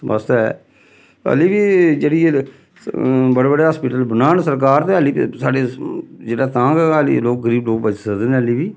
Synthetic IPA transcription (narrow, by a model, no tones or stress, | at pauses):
mə̰st̪ɛ | ə̰liːbiːd͡ʒeːɽie | bəɽeːbəɽeːɦaːspiːʈəlbənaːnsəɾk̬aːɾt̪eːəliːsaːɖeːd͡ʒeːɽaːt̪ãːɡɛlḭloːk̚ɡəɾiːbloːkpət͡ʃːsəkd̪eːneːəliːbiː